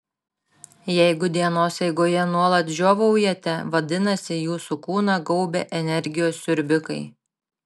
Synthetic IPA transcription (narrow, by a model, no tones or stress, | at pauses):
jɛɪɡʊd̪ʲiɛnoːsjɛɪɡoːjɛnuɔlˠɐt̪ʒʲoːʋɐʊjɛt̪ʲɛʋɐd̪ʲɪnɐsʲɪjuːsukuːnɐɡɔʊbʲḛːʔɛnʲɛɾʲɡʲɪjoːsːʲʊɾʲbʲɪkɐɪ